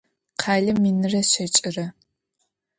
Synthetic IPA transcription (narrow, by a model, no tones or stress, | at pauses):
qʰaːɮɐmːinɨrɐɕɐt͡ʃʼɪrɐ